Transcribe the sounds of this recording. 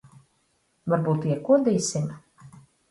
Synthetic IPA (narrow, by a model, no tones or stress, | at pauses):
vaɾbuːt̪iɛkuɔd̪iːsim